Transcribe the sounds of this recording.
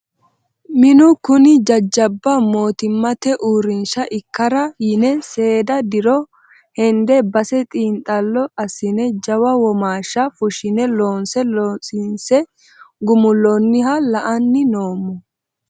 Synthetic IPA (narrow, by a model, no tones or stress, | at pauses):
mɪnʊkʊnɪd͡ʒɐd͡ʒːɐbːɐmo̞ːt̪ɪmːɐt̪ɛʔuːɾɪnʃɐʔɪkːɐɾɐjɪnɛse̞ːd̪ɐd̪ɪɾɔ | hɛnd̪ɛbɐsɛt̪ʼiːnt̪ʼːɐlːɔɐsɪnɛd͡ʒɐwɐwɔmaːʃːɐfʊʃɪnɛloːnsɛlsɪnsɛ | ɡʊmʊlːɔnːɪhɐlɐʔɐnːɪno̞ːmːɔ